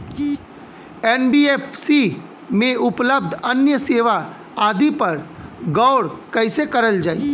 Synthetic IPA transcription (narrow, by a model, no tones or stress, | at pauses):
ɛːnbieːpsi | mẽʊpləb̚d̪ʱɐnjəseːʋa | aːd̪ipɐɾɡɔːɽkɐɪsekɐɾəld͡ʒaːiː